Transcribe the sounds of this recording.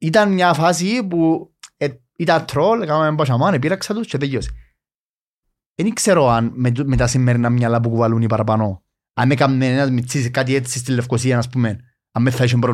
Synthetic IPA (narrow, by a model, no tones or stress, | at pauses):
it̪ɐnmɲafas̬ipue | it̪at̪ʰːɾolkamaembaʃamanep̬iɾɐksɐt̪ust͡ʃeðejosi̥ | enikseɾoanmet̪asimːeɾinamɲalap̬ukuvalunipaɾapano | amekamːenenazmit͡sːiskat̪iet͡sːist̪ilːefkosiɐnaspumen | amːeθːɐiʃ̬impɾo